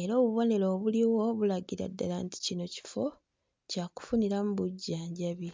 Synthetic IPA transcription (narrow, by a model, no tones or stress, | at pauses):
eɾo̞ːβuβo̞ne̞lo̞ːβuliwo̞βulaɡiɾa̰dːalanti̥cino̞ci̥fo̞ | caːku̥funiɾamuβuɟːaːɲɟaβi